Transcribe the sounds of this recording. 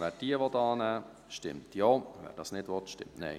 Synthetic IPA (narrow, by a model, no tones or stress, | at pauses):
vɛd̥iəvɔtɑːnæː | ʃtɪ̰mtjoːvɛ̰ːdɑsnɪtʋɔtʃtɪ̰mtnɛ̰ɪ